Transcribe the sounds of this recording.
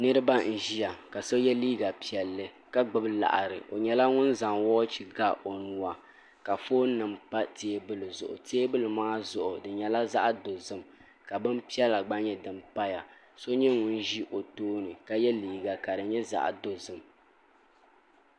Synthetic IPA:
nɨ˦ɾɨ˦ba˦n̩˨ʒi˦ja˨ka˨so˦jɛ˦liː˦ɡa˨pi˨ɛ˨lːɨ˦ | ka˦ɡ͡bɨ˦bla̰˨ʔa˨ɾɨ˨ʔo˨ɲɛ˦la˦ŋʊ˦nza˨ŋwɔː˦t͡ʃi˨ɡa˦ʔo˨nu˨wa˨ | ka˨foː˦nɨ˨mpa˦tʰeː˦bɨ˦lɨ˨zʊ̰˨ʔʊ̰˨tʰeː˦bɨ˦lɨ˨maː˦zʊ˨ʔʊ˨dɨ˨ɲɛ˦la˦za̰˦ʔdo˨zɨ˦m | ka˨bɨ˦mpi˦ɛ˦la˨ɡ͡ba˦ɲɛ˦dɨ˨mpa˦ja˨ | so˦ɲɛ˦ŋʊ˦n˦ʒi˦ʔo˨toː˦nɨ˨ka˨jɛ˦liː˦ɡa˨ka˨dɨ˨ɲɛ˦za̰˦˨ʔdo˨zɨ˦m

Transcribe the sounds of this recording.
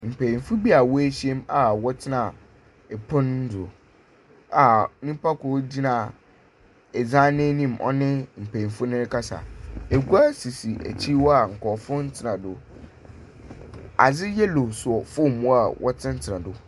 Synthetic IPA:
m̩˨pʰæ˨i˨nfʊ˦bi˦a˨wɔ˦æ˦ɕi˦ɛ˦ma˨wɔ˦tʰɪ˦nã˨ | ɛ˨pʰʊ̃˦nn̩˦dʊ˨ | a˨nĩ˦pa˦kʊ˨˦di˦nã˨ | ɛ˨d͡zã˦nẽ˦nĩ˦˨mʔɔ̰˦nɪ̃˦m̩˨pʰe˨ĩ˨nfʊ˦nɪ̃˦ɾɪ˦kʰa˦sa̰˨e˨ɡu˦a˦si˨si˨ʔæ̰˨t͡ɕʰi˦wɔ˦a˨ŋ̩˨kɔ˨fʊ̃˦n̩˦tʰɪ˨nã˨dʊ˨ | a˨d͡zɪ˦jɛ˦lo˨sʊ˨ɔ˨fʊ˦˨mũ˦a˨wʔɔ˦tʰɪ̃˦n̩˦tʰɪ˨nã˨dʊ˨

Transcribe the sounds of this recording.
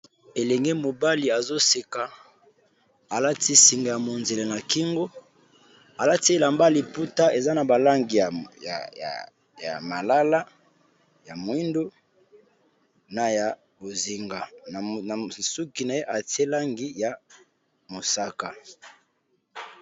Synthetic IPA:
e˨lɛ˨ŋɡe˦mo˨ba˦li˨a˨zo˦si˨ka˨ | a˨la˦ti˦si˨ŋɡa˨ja˨mo˨nze˨le˨na˨ki˦ŋɡo˦ | a˨la˦ti˦e˨la˨mba˦li˨pu˦ta˦ʔe˨za˦na˨ba˨la˦ŋɡi˨a˨ja̰˨ | ja̰˨ma˨la˦la˦ | ja˨mwi˦ndo˦ | na˨ja˨ | bo˨zi˨ŋɡa˨ | su˦ki˨na˨je˦ʔa˨ti˦e˦la˦ŋɡi˦ja˨ | mo˨sa˦ka˨

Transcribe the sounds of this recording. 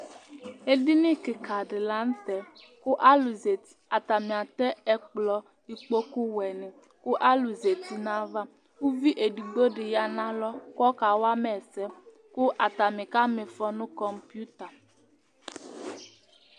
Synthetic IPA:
e˦di˦nĩ˦kɪ˨ka˨ɖɪ˨la˦n̩˦t̪ɛ˨ | kʊ˦ʔa˦lu˨ze˨i˨a˨t̪a˨mĩ˨a˨t̪ɛ˦ɛ˦k͡plɔ˨ | di˨k͡po˦ku˦wɛ˨nɪ̃˨ | kʊ˦ʔa˦lu˨ze˨t̪i˦nã˦va˦ | u˦vi˦ʔe˨di˨ɡ͡bo˦ɖɪ˨ja˨nã˦lɔ˦kɔ˦ka˨wa˦mɛ˨sɛ˦ | kʊ˦ʔa˨t̪a˨mɪ̃˨ka˦mɪ̃˨fɔ˦nʊ̃˦kɔ˦mpju˦t̪a˨

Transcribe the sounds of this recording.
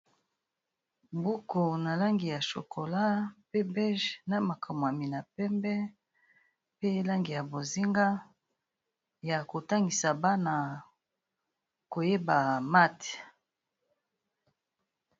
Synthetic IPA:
bu˦ko˨na˨la˦ŋɡi˨ja˨ʃo̰˨kʰo˨la˦pe˦bɛ˦ʒna˨ma˨kʰa˨m˨a˨mi˨na˨pɛ˦mbɛ˦ | pe˦la˦ŋɡi˨ja˨bo˨zi˦ŋɡa˦ | ja˨ko˨ta˦ŋɡi˨sa˨ba˦na˨ | ko˨je˦ba˨ma˦te̥˨

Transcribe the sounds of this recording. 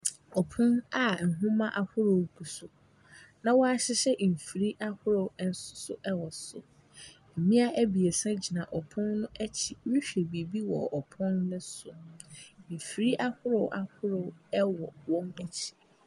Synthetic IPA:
ɔ˨pʰʊ̃˦na˦n̩˨ɦũ˦mã˦ʔa˨hʊ˦ɾo˨kʰu˨sʊ˨ | nã˨wɔ˦a˦ɕɪ˦ɕɛ˦˨fi˨ɾi˦ʔa˦hʊ˦ɾo˨˦n̩˦sʊ̥˦sʊ̰˦ʔɛ˦wɔ˨sʊ̰˨ | m̩˨mĩ˦a˦ʔæ˦bi˨e˨sã˦d͡ʑi˨nã˨ʔɔ˨pʰʊ̃˦nːʊ̃˦ʔɛ˦t͡ɕʰi˨˦wi˦ɕᶣe˨bi˨bi˦wɔ˨ɔ˨pʰʊ̃˦n˦nʊ̃˦sʊ˨ | m̩˨fi˨ɾi˦ʔa˦hʊ˦ɾʊ˨wʔa˨hʊ˦ɾʊ˨˦ɛ˦wɔ˨wɔ̃˦nɛ˦t͡ɕʰi̥˨

